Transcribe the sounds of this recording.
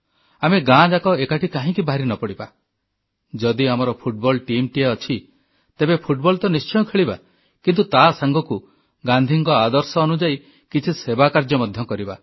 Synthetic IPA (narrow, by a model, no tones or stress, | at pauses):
ameɡãd͡ʒakɔekaʈʰikaɦĩkibaɦɾinɔpɔɽiba | d͡ʒɔd̪iamɔɾɔpʰuʈ̚bɔlʈimʈiaɔt͡ʃʰi | t̪ebepʰuʈbɔlt̪ɔnist͡ʃɔjɔkʰeɭiba̰ | kint̪ut̪asaŋɡʱɔku | ɡand̪ʱiŋkɔad̪ɔɾsɔːnud͡ʒai | kit͡ʃʰisebakaɾd͡ʒɔmɔd̪ʱjɔkɔɾiba